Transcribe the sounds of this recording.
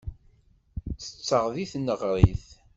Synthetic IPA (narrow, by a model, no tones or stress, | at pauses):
θə̥t͡sːəʁðiθnəʁɾˤiθ